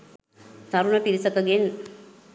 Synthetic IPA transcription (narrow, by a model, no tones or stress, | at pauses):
t̪aɾunapiɾisəkəɡen